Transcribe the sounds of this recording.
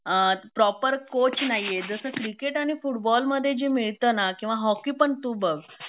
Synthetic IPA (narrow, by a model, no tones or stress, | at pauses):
pɾɔpəɾkot͡ɕnajed͡zəsəːkɾikeʈaɽ̃ifuʈbɔlməd̪ʱːjed͡ʑimiɭt̪ənakĩw̃ʋaɦɔkiːpəɳt̪uːbəɡ